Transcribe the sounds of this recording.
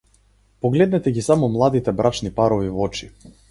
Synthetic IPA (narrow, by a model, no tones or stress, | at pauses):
pɔɡlɛd̪nɛt̪ɛɡisamɔmlˠad̪it̪ɛbɾʔat͡ʃnipaɾɔvivɔt͡ʃi